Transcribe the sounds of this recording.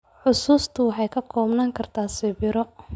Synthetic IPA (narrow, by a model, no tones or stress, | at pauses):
ħʊsuːst̪ʰʊwɑħɑjkʰɐkʰɔːbnaːŋkʰɐrt̪ʰaːsɪβɪɾɔ